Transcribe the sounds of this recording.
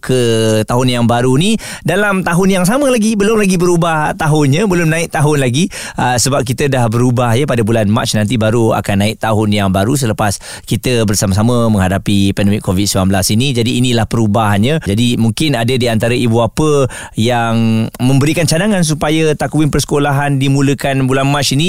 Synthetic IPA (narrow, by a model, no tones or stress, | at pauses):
kʰət̪aɦʊnjaŋbaɾuni | dalamt̪aɦʊnjaŋs̬aməlaɡibəlʊmlaɡibəɾubaht̪aɦʊnɲəbəlʊmnãɪʔ̚t̪aɦʊnlaɡiəsəbap̚kit̪ədahbəɾubahjəpadəbulanma̰t͡ʃnãnt̪̬ibaɾua̰kanːaɪʔ̚t̪aɦʊnjaŋbaɾus̬ələpas | kit̪əbərsamas̬aməmə̃ŋɦadapipɛndəmɪkʰːovit̪səmamblasinid͡ʒadiːnilahpəɾubaɦɲãd͡ʒadimuŋkɪnadədiant̪aɾəʔibuapə | jaŋmə̃mbəɾikant͡ʃadaŋans̬upajat̪akuɪnpərsə̥kolaɦandimũləkanbulanmaʔt͡ʃini